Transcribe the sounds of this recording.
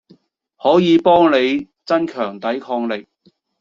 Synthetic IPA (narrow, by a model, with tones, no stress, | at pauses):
hɔː˨˥jiː˨˧pɔː˥ŋle˨˧j | t͡sɐ˥nkʰœː˨˩ŋt̪ɐ˨˥jkʰɔː˧ŋlɪ˨k̚